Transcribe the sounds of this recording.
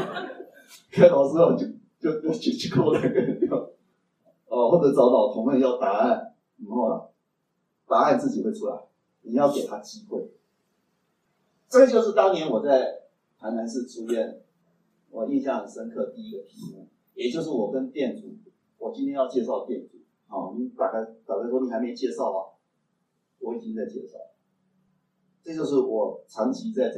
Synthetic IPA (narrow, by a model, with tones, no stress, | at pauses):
kʰa˥˩lɑ˨˩ʊsɹ̩˥o˨˩t͡ɕo˥ | t͡ɕjo˥˧ʊo˥˩t͡ɕʰi˨˥t͡ɕʰy˥kʰo˥˧la˨˩˥ɪkə˥ə˨njo˥˩ʊ | ɔ˨˩xwɔ˥˩ʈ͡ʂɤ˨˥t͡sɑ˧˥ʊt̪ɑ˨˩ʊt̪ʰʊ˧˥ŋə˥˧ŋjɑ˥˩ʊt̪a˧˥a˥˩n | i˨˩xla̰˨˩ | t̪a˧˥a˥˧nt͡sɹ̩˥˩t͡ɕi˨˩xwe˥˩ɪʈ͡ʂʰu˥la̰˨˦ɪ | ni˨˩jɑ˥˩ʊke˨˩t̪ʰa˥t͡ɕi˥xwe˥˩ɪ | ʈ͡ʂɤ˥˩ɡə˩t͡ɕjo˥˧ʊʂ̬ɻ̩˥˩t̪ɑ˥ŋnjɛ˧˥nwɔ˨˩t͡sa˥˩ɪ | t̪ʰa˧˥ɪna˧˥nʂɻ̩˥˧ʈ͡ʂu˥ɥɛ˥˩n | wɔ˨˩i˥˧nɕjɑ˥˩ŋd̪ə˩ʂə˥nkʰɤ˥˧t̪i˥˧i˦˥ɡə˨˩p̪ʰi˧˥su˥ | jɛ˨˩t͡ɕjo˥˧ʊʂ̬ɻ̩˥˩wɔ˨˩kə˦nt̪jɛ˥˩nt͡sṵ˨˩ | wɔ˨˩t͡ɕi˥nt̪ʰjɛ˥njɑ˥˧ʊt͡ɕjɛ˥˧ʂɑ˥˧ʊt̪jɛ˥˩nt͡su˨˩˦ | hɔ̰˥˨˩ni˧˥t̪a˥˩ka˥˩ɪpjɑ˨˩t̪a˥˩ʂwɔ˥ni˨˩a˧ɪme˧˥ɪt͡ɕjɛ˥˧ʂɑ˥˩ʊlə̰˨˩ | wɔ˧˦i˨˩t͡ɕi˦ŋt͡sa˥˧ɪt͡ɕjɛ̰˥˧˩ʂɑ̰˥˩ | ʈ͡ʂɤ˥˧t͡ɕjo˥˧ʊʂ̬ɻ̩˥˩wɔ˨˩t͡sʰɑ˧˥ŋt͡ɕʰi˧˥t͡sa˥˧ɪʈ͡ʂ